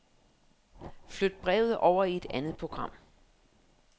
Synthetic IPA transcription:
flød̥̚b̥ʁɛ̰ːʊð̞̩ˠʔɒʊ̰ɐie̝d̥ænð̩ˠpʰʁo̝ɡ̥ʁɑ̈m̰

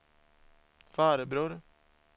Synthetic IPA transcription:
fɑːɾəbɾʉːɾ

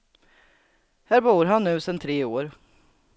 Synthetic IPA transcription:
hæːɾbuːɾɦanːʉ̟ːsɛnt̪ʰɾeːoːɾ

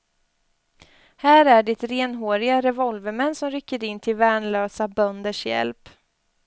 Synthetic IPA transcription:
hæːɾæɖɪt̪ɾeːnɦoːɾɪɡaɾɛvɔlvəmɛnːsɔmɾʏkːəɾɪnːt̪ʰɪlvæːɳɭøːsabœnd̪əʂjɛ̰lp

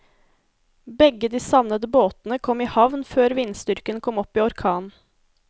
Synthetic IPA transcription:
bɛɡəd̪iːsɑʋnəd̪əboːt̪n̩əkʰɔmiːhɑʋnføːɾʋinst̪ʏɾkənkʰɔmɔpiːɔɾkʰɑːn

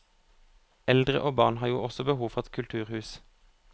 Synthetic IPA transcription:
ɛld̪ʁə̰ʔoːbɑʁnhɑːʁjuːɔsɔbəhuːʋfɔʁɛt̪kʰʉlt̪ʰʉːʁhʉːs

